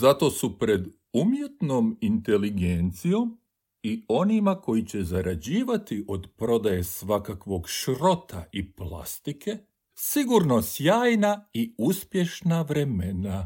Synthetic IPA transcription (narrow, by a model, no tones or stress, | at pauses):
zat̪o̞supɾe̞d̪ | umjet̪no̞mint̪e̞liɡent̪sijo̞m | io̞nimako̞jit͡ɕe̞zaɾʔad͡ʑiːʋat̪iʔo̞d̪pɾo̞d̪aje̞sʋakakʋo̞ɡʃɾo̞t̪ʰaiplˠa̰st̪ike̞ | siɡuɾno̞sjaːjnaiuspje̞ʃnaʋɾe̞mena